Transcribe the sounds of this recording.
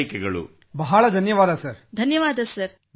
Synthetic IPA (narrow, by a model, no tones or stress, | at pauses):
ikɛɡɐɭṵ | bɐɦɐɭɐd̪ʱɐnjɐʋaːd̪ɐsɐɾd̪ʱɐnjɐʋaːd̪ɐsɐɾ